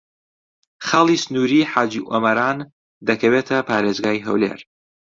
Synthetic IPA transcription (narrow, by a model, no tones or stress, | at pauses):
χalˠiːsɨnuːɾiːħaːd͡ʒiʔomɐɾaːn | d̪ɐkʰɐwet̪ʰɐpʰaːɾeːzɡaːjɦɐ̰wlḛɾ